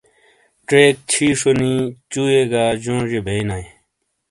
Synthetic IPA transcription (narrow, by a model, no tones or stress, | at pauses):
ʈɾeːk̚t͡ɕʰiːʂonit͡ɕuːeɡaːd͡ʑõːd͡ʑebʱeinaj